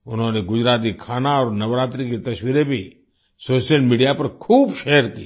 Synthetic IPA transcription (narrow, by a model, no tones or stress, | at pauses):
ʊnɦõneɡʊd͡ʒɾaːt̪̬ikʰaːnaɔːɾnɐʋɾaːt̪ɾiket̪ɐswiːɾebʱi | soːʃjəlmiːɖijapɐɾkʰuːbʃeːəɾkḭ